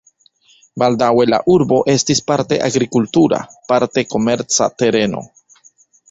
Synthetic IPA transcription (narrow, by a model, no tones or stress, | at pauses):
baldawe̞la̰ʔuɾbo̞ʔe̞stispaɾte̞̰ʔaɡɾikultuɾa̰paɾte̞ko̞me̞ɾt͡sa̰te̞ɾe̞no̞̰